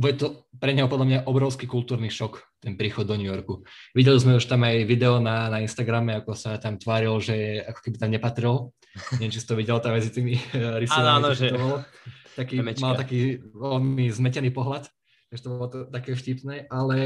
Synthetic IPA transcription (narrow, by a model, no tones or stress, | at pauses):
bɔjɛt̪ɔpɾɛɲɛɦɔpɔd̪lamɲaʔɔbɾɔʊskikult̪uːɾniːʃɔkt̪ɛnpɾiːxɔd̪ːɔɲujɔɾkuʋiɟɛlizmɛuʃt̪amajʋid̪ɛɔnanainst̪aɡɾamɛakɔsat̪amt̪ʋaːɾilʒɛakɔ̥kɛbit̪amɲɛpat̪ɾil | nɛʋɛmt͡ʃist̪ɔʋiɟɛlt̪amɛd͡zit̪iːmiɾisaɔant̪ɔbɔlɔt̪akiːmalt̪akiːʋɛlmizmɛcɛniːpɔɦlat̪ | aɡʒɛt̪ɔbɔlɔt̪t̪akɛːfcipnɛːʔalɛ